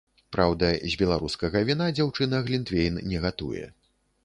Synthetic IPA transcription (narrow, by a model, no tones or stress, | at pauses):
pɾawd̪ɐzʲbʲɛlˠaɾuskɐɣɐvʲinad͡zʲawt͡ʂɨnɐɣlʲint̪vʲejnnʲɛɣat̪ṵjɛ̰